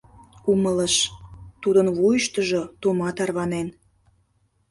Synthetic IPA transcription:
umələʃt̪ud̪ənβujəʃt̪əʒot̪omɑt̪ɑrβɑnen

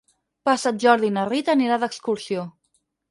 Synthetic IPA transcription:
pasat̪̚ʒɔɾðinərit̪əniɾaðəkskuɾsio

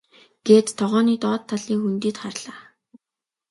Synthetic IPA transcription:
ɡ̥eːt̪t̪ʰːɔʁɔːniːt̪ɔːt̪ʰːaɮiːŋxunt̪iːt̪χarɮaː

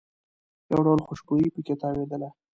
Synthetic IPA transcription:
ja̰wɖawlxʊʃbojipəket̪ɑwed̪əla

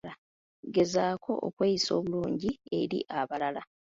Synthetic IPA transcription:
a | ɡe̞zaːkʰo̞ʔo̰kweːjiso̞̰ːβuluːɲɟie̞ɾḭʔaβalala

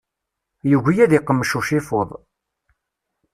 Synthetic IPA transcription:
juʝʷijæðiqːəmːʃuʃɪfoðˤ

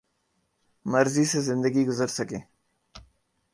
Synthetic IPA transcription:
mɐɾzisezɪnd̪əɡiɡʊzəɾsɐkeː

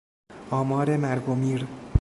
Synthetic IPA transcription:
ʔɒːmɒːɾemæɾɡomiːɾ

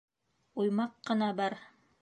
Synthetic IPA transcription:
ujmɑqːɤ̆nɑbɑɾ

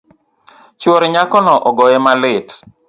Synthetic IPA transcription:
t͡ʃwɔɾɲakɔnɔʔɔɡɔjɛmalɪt

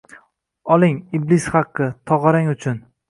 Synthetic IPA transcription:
ɒlˠɪŋɪblɪsχɑqːɨt̪ʰɒʁɑɾaŋʊt͡ʃʰʊn

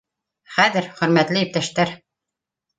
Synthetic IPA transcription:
χæðɘɾχɵ̆ɾmæt̪lɘjĭp̚t̪æʃt̪æɾ

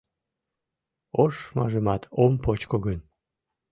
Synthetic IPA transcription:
oʃmɑ̰ʒəmɑt̪ompot͡ɕkoɣən

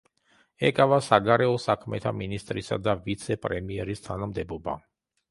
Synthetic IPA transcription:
ɛkʼavasaɡaɾɛɔsakʰmɛt̪ʰa̰minist̪ʼɾisa̰d̪avit̪sʰɛpʼɾɛmiɛɾist̪ʰanamd̪ɛbɔba̰

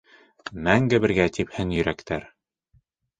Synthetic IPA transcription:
mæŋɡɘβɘ̆ɾɡæt̪iphɘnjɵ̆ɾækt̪æɾ

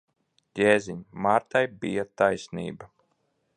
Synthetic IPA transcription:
ɡʲeːzʲiɲmaːɾt̪ajbijat̪ajsnḭːba

